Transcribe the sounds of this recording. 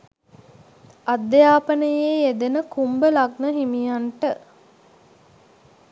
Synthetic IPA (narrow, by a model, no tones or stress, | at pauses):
ad̪ːjaːpənəjeːed̪enəkumbəlaɡnəɦimijaɳʈə